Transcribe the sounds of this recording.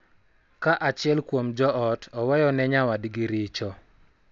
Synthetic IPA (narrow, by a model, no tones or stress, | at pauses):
kaʔat͡ʃɪɛlkwomd͡ʒɔɔtʰɔwɛjɔnɛɲawadɡɪɾɪt͡ʃɔ